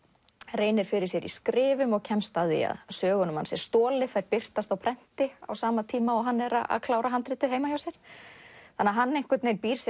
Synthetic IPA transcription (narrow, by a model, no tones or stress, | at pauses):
reːjnɪɾ̥fɪɾɪ̥sjɛɾḭskɾɪːvʏmɔɣcʰɛnst̪aðḭa̰ðsœːɣʏnʏmhansjɛɾ̥st̪ɔːlɪθajɾpɪr̥t̪ast̪awpʰɾɛn̥t̪ɪa̰wsaːmat̪ʰiːmaɔɣɦanːɛɾa̰a̰ðkʰlaːwɾaɦant̪ɾɪːt̪ɪejmajawsjɛɾ̥θanːaɦanːejŋ̥kʏɾt̪nejnpiːɾ̥s